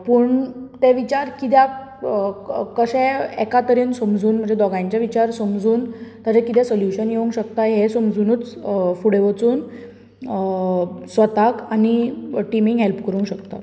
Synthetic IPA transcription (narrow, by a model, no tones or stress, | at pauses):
pəːɳt̪eʋit͡ɕaɾkit̪̬ja | kəɕɛ̃ɛkat̪əɾinsəmd͡zuːnm̤əɳd͡zd͡ʑed̪ɔɡãjɲt͡ɕjaʋit͡ɕaɾsəmd͡zuːnt̪ad͡ʑẽkit̪ɛsəljuɕənjeũŋkɕək̚t̪ajɦesəmd͡zunuːt͡sfuɽeʋət͡suːn | sʋət̪akaniʈimiŋɡɦelpkəɾũŋɕəkt̪a̰